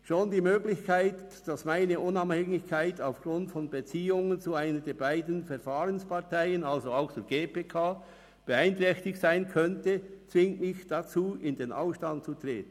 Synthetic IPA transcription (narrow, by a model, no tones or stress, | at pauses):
ʃoːndiːmøːɡlɪçkʰaɪt | d̥asmaɪnəʔʊnaphɛŋɪçkʰaɪtaʊfɡ̥ʁʊntfɔnbət͡siːʊŋənt͡suaɪnədɛːɐbaɪdn̩fɛɐfaːʁənspʰaʁtʰaɪənalzoaʊxt͡suːɡeːpeːkʰaː | b̥əaɪntʁɛçtɪçtsaɪnkʰœntət͡svɪŋtmɪçd̥at͡suːɪndeːnʔa̰ʊfʃtant̚t͡sutʁ̥eːtn̩